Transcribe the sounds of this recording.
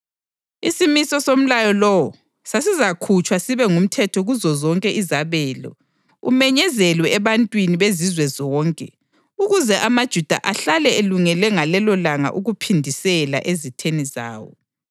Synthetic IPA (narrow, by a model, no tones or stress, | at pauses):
isimisɔsom̩lajɔlɔwɔ | sasizakʰut͡ʃʼwasiβɛŋum̩tʰɛtʰɔɣuzɔzɔŋkʼɛʔizaβɛːlɔ̰ | ṵmɛɲɛzɛlwɛːβantʼwiniβezizwɛzɔːŋkʼɛ | uɣuzɛʔamad̥ʒ̥ʱud̥ʱa̰ʔaɬalɛeluŋɛlɛŋalɛlɔlaŋa̰ʔuɣupʰindʱisɛla̰ʔezitʰeniza̰ːwɔ̰